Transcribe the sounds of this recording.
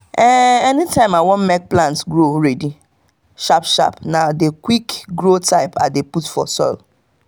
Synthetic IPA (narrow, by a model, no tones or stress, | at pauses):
ɛɛnitʰãɪ̃mawɔ̃nmɛk̚plãntɡɾoɾɛdi | ʃapʃa̰pnadekwikɡɾotʰaɪpadeputfɔ̰sɔ̰ɪl